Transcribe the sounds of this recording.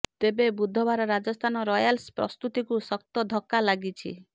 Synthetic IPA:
t̪ebebud̪ʱːɔbaɾɔɾad͡ʒɔst̪ʰanɔɾɔjalspɾɔ̰st̪ut̪ikusɔk̚t̪ɔd̪ʱɔkːalaɡit͡ʃʰḭ

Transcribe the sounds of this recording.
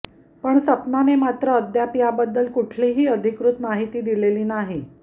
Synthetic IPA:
pəɳsəpnanemat̪ɾəəd̪japijabəd̪ːəlkuʈʰliːɦiːəd̪ʱikɾut̪maɦit̪iːd̪ileliːnaɦi

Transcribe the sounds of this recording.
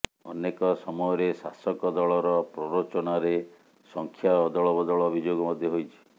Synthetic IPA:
ɔ̰nekɔsɔmɔjɔɾesa̰sɔkɔd̪ɔɭɔɾɔpɾɔɾot͡ʃɔnaɾe | sɔŋkʰjaɔd̪ɔɭɔbɔd̪ɔɭɔbʱid͡ʒoɡɔmɔd̪ʱjɔɦojt͡ʃʰi̥

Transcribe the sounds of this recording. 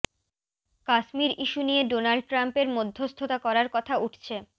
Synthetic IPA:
kaʃmiɾʔiʃunijeɖonalɖ̚ʈɾampeɾmod̪ʱːost̪ʰot̪akɔɾaɾkɔt̪ʰauʈʰt͡ɕʰe

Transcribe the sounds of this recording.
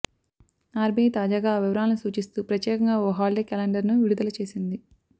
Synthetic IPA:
aːɾbʱeːt̪aːd͡ʒaːɡaːʋiʋɐɾaːlɐnusuːt͡ʃist̪uːpɾɐt̪jɛːkɐŋɡaːoːɦaːlɖeːkɛːlɐɳɖɐɾnuʋiɽud̪ɐlɐt͡ʃe̞ːsind̪i

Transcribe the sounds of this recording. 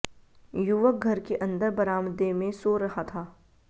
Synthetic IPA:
jʊʋək̚ɡʱɐɾkeʔɐ̃nd̪əɾbɐɾaːməd̪emẽsoɾɐɦat̪ʰaː

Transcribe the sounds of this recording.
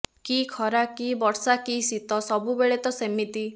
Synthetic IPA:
kikʰɔɾakibɔɽsakisit̪ɔsɔbubeɭet̪ɔsemit̪i

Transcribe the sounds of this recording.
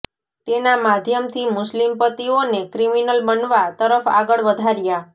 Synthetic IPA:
t̪enamad̪ʱjəmt̪ʰimʊslimpət̪ionekɾiminəlbənʋat̪əɾəfa̰ɡəɭʋəd̪ʱaɾja

